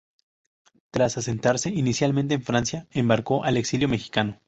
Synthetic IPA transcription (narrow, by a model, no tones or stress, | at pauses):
t̪ɾasase̞nt̪aɾse̞inisjalmẽnt̪̬eːɱfɾansjaembaɾko̞ʔaleksiljo̞me̞xi̥kano̞